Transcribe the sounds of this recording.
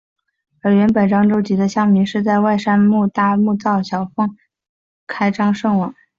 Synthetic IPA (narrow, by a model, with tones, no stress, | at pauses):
ə˞˧˥ɥɛ˧˥npə˨˩nʈ͡ʂɑ˥ŋʈ͡ʂo˥ʊt͡ɕi˧˥d̪ə˧ɕjɑ˥˩ŋmi˧˥ŋʂɻ̩˥˧t͡sa˥˧ɪwa˥˩ɪʂa˥nmu˥˧t̪a˥˧mu˥˧t͡sɑ˥˩ʊɕjɑ˨˩ʊfɤ˥˩ŋ | kʰa˥ɪʈ͡ʂɑ˥ŋʂɤ˥˩ŋwɑ˨˩˦ŋ